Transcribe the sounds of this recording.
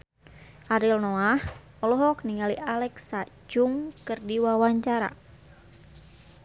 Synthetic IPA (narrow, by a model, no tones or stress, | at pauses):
ʔaɾilnoah | ɔlɔɦɔkniŋaliʔalɛksa | d͡ʒʊŋkɨrdiwawaɲt͡ʃaɾa̰